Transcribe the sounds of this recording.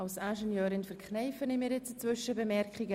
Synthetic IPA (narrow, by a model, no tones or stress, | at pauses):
alsæːʒɛnjøːɾɪnfəɾkχnɛɪfənɪmiːɾjɛt͡sət͡svʏʃəbəmɛrkχɪɡə